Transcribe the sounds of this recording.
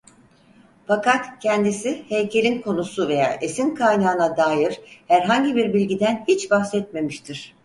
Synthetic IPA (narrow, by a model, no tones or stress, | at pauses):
fakat̪cʰɛnd̪isihejcʰe̞lʲinkʰo̞nusuve̞ja̰ːʔe̞sinkʰajnaːɯnad̪aːjiɾ̥hæɾɦaɲɟibiɾbilʲɟid̪ænhit͡ʃbaxsɛt̪̚me̞miʃt̪ʰiɾ̥